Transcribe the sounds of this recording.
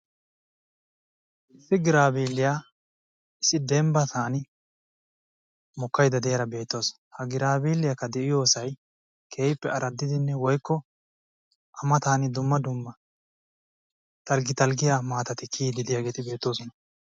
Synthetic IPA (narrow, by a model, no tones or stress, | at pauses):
ʔɪsːɪɡɪɾaːbiːlːɪja | ɪsːɪd̪ɛmbɐt̪aːnɪ | mɔkːɐjd̪ɐd̪ɛjɐɾɐbe̞ːt̪ːo̞ːsɔ | hɐɡɪɾaːbiːlːɪjɐkːɐd̪ɛʔɪjo̞ːsɐj | kʰeːjpːɛɐɾɐd̪ːɪd̪ɪnːɛwɔjkːɔ | ʔɐmɐt̪aːnɪd̪ʊmːɐd̪ʊmːɐ | t̪ɐlɡɪt̪ɐlɡɪjamaːt̪ɐt̪ɪkʰiːd̪ɪd̪ɪjaːɡeːt̪ɪbe̞ːt̪ːo̞ːsɔnɐ